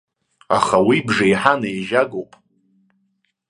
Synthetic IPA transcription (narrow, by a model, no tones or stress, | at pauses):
a̰χawibʐaijħanajʒaɡowpʼ